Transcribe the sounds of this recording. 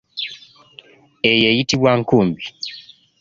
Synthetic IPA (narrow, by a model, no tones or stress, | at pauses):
ejejitiβwaːŋkuːmbi